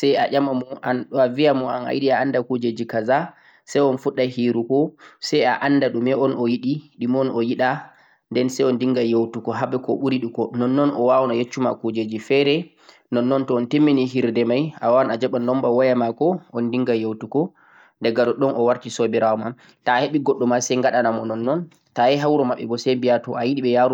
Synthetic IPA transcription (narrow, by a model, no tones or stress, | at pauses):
sɛjaʔamamɔʔanɗavijamɔa̰na̰jiɗiaandakud͡ʒed͡ʒikaza | sajɔnfuɗːahiɾukɔsɛjaʔandaɗumɛɔnɔjiɗiɗimɔnɔjiɗa | ndɛnsɛjɔndiŋɡajewtukɔɦabɛkɔɓuɾiɗukɔnɔnːɔnɔwawɔnajet͡ʃːumakud͡ʒed͡ʒifɛɾɛ | nɔnːɔntɔːntemːiniɦiɾdɛmajawaanad͡ʒɛɓanːɔmbawɔjamakɔɔndiŋɡajewtukɔ | dɛɡaɗɔɗɔnʔɔwaɾtisobɛɾawɔmam | taheɓiɡɔɗːɔmasɛjŋɡaɗanamɔnɔnːɔn | taɛɦawɾɔmaɓːɛɡɔsembijatɔʔajiɗiɓɛjaɾu